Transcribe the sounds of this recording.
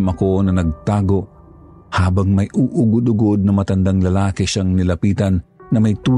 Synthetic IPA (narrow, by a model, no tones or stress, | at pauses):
mɐkonɐnɐɡ̚t̪aːɡo̞ʔ | haːbɐŋmɐjʔuʔʊɡʊd̪ʊɡod̪̚nɐmɐt̪ɐnd̪aŋlɐlaːkɛʃaŋnɪlɐpiːt̪ɐnː | ɐmɐjt̪uː